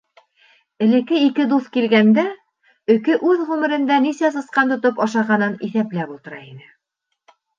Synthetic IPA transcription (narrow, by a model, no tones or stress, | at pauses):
ɘ̆lɘ̆kɘikɘd̪uθkilɡænd̪æ | ɵ̆kɘʔʉðʁʉmɘ̆ɾɘ̆nd̪ænisæsɤ̆sqɑnt̪ŏt̪opɑʃɑʁɑnɤniθæplæpulˠt̪ɤ̆ɾɑinɘ